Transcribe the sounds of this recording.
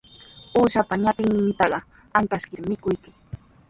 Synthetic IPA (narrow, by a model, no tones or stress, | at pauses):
uːʃapaɲat̪ɪŋnɪnt̪ɑɢɑ | aŋkaskɪɾmɪkʊjkɪ